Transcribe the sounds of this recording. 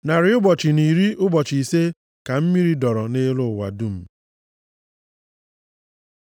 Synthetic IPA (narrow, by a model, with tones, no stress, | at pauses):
na˨ɾɪ˨ʊ˦bɔ˨t͡ʃɪ˨ni˨ɾi˦ʔʊ˦bɔ˨t͡ʃi˨se˦ | ka˨m̩˦mi˦ɾi˦dɔ˨ɾɔ˨ne˦lʊ˦˨wa̰˨du˦m̩˨